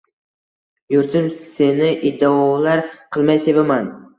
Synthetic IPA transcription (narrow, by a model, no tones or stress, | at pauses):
jʊɾt̪ʰɪmse̞nɪʔɪd̪ːaɒlaɾqʰɨlˠmajse̞bɪman